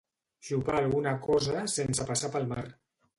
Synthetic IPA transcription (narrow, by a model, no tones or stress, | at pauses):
ʒuβaːlˠɣunakɔzasensəpasapəlˠma̰r